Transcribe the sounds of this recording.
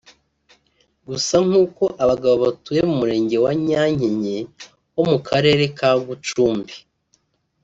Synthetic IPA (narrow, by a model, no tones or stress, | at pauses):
ɡusaŋ̥uːko̞ʔaβaɡaβoβatuje̞mumuɾe̞ːɲɟe̞waɲaːɲeɲe̞ | wo̞mukʰaɾe̞ːɾe̞kaɡut͡ʃuːmbi